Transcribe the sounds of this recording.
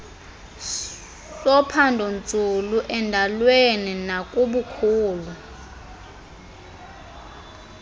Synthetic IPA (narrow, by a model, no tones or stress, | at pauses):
sɔpʰandʱɔnt͡sʼuluʔɛndʱalweninak̬ʼuɓukʰuːla